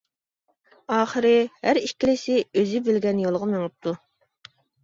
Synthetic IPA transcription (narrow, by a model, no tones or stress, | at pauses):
ɑːχəɾɪhæɾikʲːilɪsɪøzɪbɪlɡʲɛnjolˠʁɑmeŋɨp̚t̪ʰu